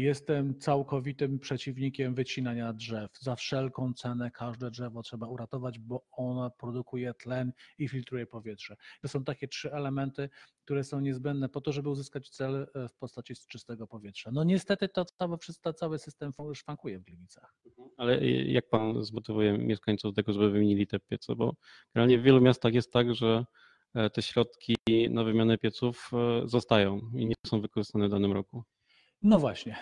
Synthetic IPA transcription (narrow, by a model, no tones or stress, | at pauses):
jɛst̪ɛmt̪sawkɔvʲit̪ɘmpʂɛt͡ɕivɲikʲɛmvɘt͡ɕinaɲadʐɛfzafʂɛlkɔ̃w̃t̪sɛnɛkʰaʐd̪ɛdʐɛvɔtʂɛbauɾat̪ɔvad͡ʑbɔɔnapɾɔd̪ukujɛt̪lɛnifʲilt̪ɾujɛpɔvʲjɛtʂɛit̪ɔsɔ̃w̃t̪akʲɛtʂɘɛlɛmɛnt̪ɘk̚t̪uɾɛsɔ̃w̃ɲɛzbɛnd̪nɛpɔt̪ɔʐɛbɘuzɘskat͡ɕt̪sɛlfpɔst̪at͡ɕist͡ʂɨst̪ɛɡɔpɔvʲjɛtʂanɔɲɛst̪ɛt̪ɘt̪ɔt̪sawɛfʂɨst̪ɔt̪sawɘsɘst̪ɛmfɔʂfaŋkujɛvɡlʲimʲit̪saxm̩m̩alɛjak̚panzmɔt̪ɘvujɛmʲjʔɛʂkaɲʲt̪sufd̪ɛɡɔʐɛbɘvɘmʲjeɲilʲit̪ɛpʲjɛt̪sɛ̰bɔ | ɡ̥ɛɾalɲɛvvʲjɛlumʲjast̪axjɛst̪ːaɡʐɛ | t̪ɛɕɾɔt̪kʲinavɘmʲjanɛpʲjɛt̪sufzɔst̪ajɔ̃w̃iɲɛsɔ̃w̃vɘkɔʐɨst̪anɛvd̪anɘmɾɔku | nɔvwaɕɲɛ